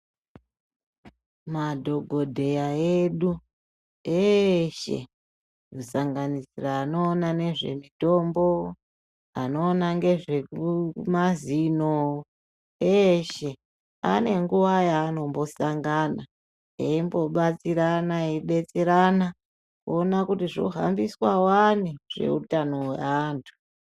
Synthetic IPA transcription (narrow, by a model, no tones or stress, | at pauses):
madʱo̞ɡʱo̞dʱe̞jaeɗu | eʃe̞̰ | kusaŋɡanisiraːno̞ːnane̞ʐe̞̰mito̞mbo̞ | ano̞ːnaŋɡe̞ʐekumazino | eʃe̞ | a̰ne̞ŋɡuʋajaːno̞mbo̞saŋɡana | eimbo̞ɓat͡siɾanaiɗe̞t͡seɾana | kuonakutiʐo̰ɦa̰mbiswawaneʐ̥e̞̰ṵtano̞wḛantʰu̥